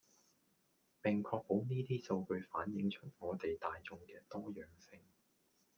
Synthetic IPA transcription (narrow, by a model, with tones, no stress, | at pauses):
pɪ˨ŋkʰɔː˧k̚po˨˥wniː˥t̪iː˥so˧wkɵ˧ɥfaː˨˥njɪ˨˥ŋt͡ʃʰɵ˥t̚ŋɔː˨˧t̪e˨jt̪aː˨jt͡sʊ˨˧ŋkɛː˧t̪ɔː˥jœː˨˩ŋsɪ˧ŋ